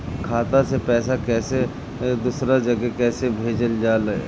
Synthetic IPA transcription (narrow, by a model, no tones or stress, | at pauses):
kʰaːt̪asepɛːsakɛːse | d̪uːsɾad͡ʒɐɡekɛːsebʱeːd͡ʒəld͡ʒaːle